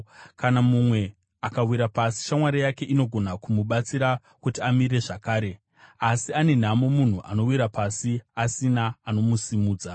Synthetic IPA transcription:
kanamumwe̞ | akawiɾapasi̥ʃamwaɾijake̞ʔino̞ɡʱo̞nakumuɓat͡siɾa | kutiamiɾe̞ʐakaːɾe̞ | asiane̞n̤amomun̤uʔa̰no̞wiɾapasiasinaːno̞musimuːd͡za

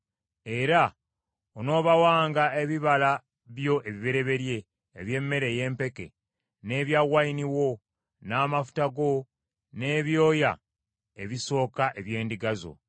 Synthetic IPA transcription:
e̞ɾa | ono̞ːβawaːŋɡaeβiβala | βjo̞ʔe̞βiβe̞ɾe̞βe̞ɾje̞ː | βje̞mːe̞ɾe̞je̞ːmpe̞ke̞̰ | ne̞ːβjaɣwainiwo̞ | naːmafu̥taɡo̞ | ne̞ːβjo̞ːja̰ | e̞βiso̞ːkaʔe̞βje̞ːndiɡazo̞̰

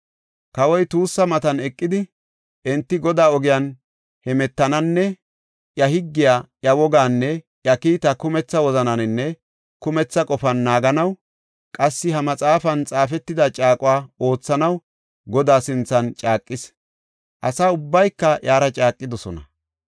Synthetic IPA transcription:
kɐwɔjt̪uːsːɐmɐt̪ɐnɛkʼːɪd̪ɪ | ʔɛnt̪ːɪɡɔd̪aːɔɡɪjɐn | hɛmɛt̪ːɐnɐnːɛ | ʔjɐhɪɡːɪjaːʔjɐwɔɡaːnːɛ | ʔjɐkiːt̪ɐkʊmɛt͡sːɐwɔzɐnɐnɪnːɛ | kʊmɛt͡sːɐkʼɔfɐnːaːɡɐnɐw | kʼɐsːɪɦɐmɐt͡sʼaːfɐnt͡sʼaːfɛt̪ːɪd̪ɐt͡ʃʼaːkʼʊwaːo̞ːt͡sːɐnɐw | ɡɔd̪aːsɪnt͡sːɐnt͡ʃʼaːkʼːɪs | ʔɐsaːʊbːɐjkːɐjaːɾɐt͡ʃʼaːkʼːɪd̪ɔsɔnɐ

